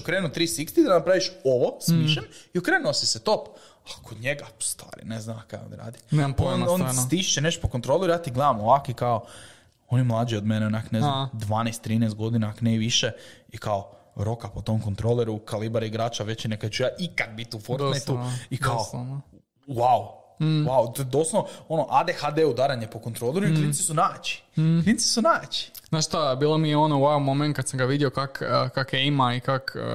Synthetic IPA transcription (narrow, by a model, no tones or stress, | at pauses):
t͡ʃukɾenut̪ɾiːsikt̪id̪anapɾaʋiʃoʋosmiʃeniokɾeːnuosiset̪op | akʰod̪ɲeɡast̪ʋa̰ːɾḭneznaakaj̰o̰niɾa̰ːd̪ipoonont̪iʃt͡ʃ̪eneʃt̪opokont̪ɾo̞lˠejaːt̪iɡled̪amoʋakoikao | onimlˠaːd͡ʒiod̪meneonakneznad̪ʋaːnest̪ːɾiːnest̪ɡo̞d̪inakneʋiʃeikao | ɾo̞kapot̪o̞mkont̪ɾoleɾukalibaɾiɡɾaːt͡ʃaʋet͡ɕinekat͡ʃujaːʔikak̪̚bit̪ufoɾonet̪t̪uikaoono | waw | wawt̪od̪oslooonoʔad̪exad̪eud̪aɾaɲepoko̞nt̪ɾolˠeɾuit̪ɾisisunaːt͡ʃi̥p̪ɾinsi̥sunaːt͡ʃi̥ | z̥naːʃst̪abiːlˠomijeo̞nouwamoment̪̚kad̪samŋɡaʋid̪iokakkakeimaikak